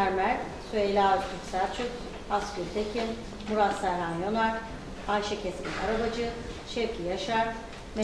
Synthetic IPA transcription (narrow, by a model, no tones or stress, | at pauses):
æɾmæɾ | syelʲaːt̪ʰykʲsælt͡ʃʰyk | askʲylʲt̪ʰecʰin | muɾasæɾanjo̞naɾ | ajʃacʰɛscʲinʲaɾabad͡ʒɯ | ʃɛvcʰijaʃaɾ | me